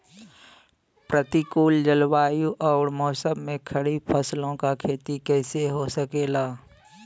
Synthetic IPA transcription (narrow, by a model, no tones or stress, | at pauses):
pɾət̪ikuːld͡ʒəlwaːjuʔɔːɾmɔːsəbmẽkʰəɽipʰəslõkakʰeːt̪ikɛːseɦosəkeːlaː